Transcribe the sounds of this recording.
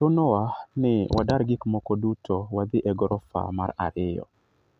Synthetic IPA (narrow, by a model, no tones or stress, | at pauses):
ʊnɔwanɪwa̰daɾɡɪkmɔkɔdutʰowad̪ɪʔɛɡɔɾɔfa̰ma̰ɾa̰ɾɪjɔ̰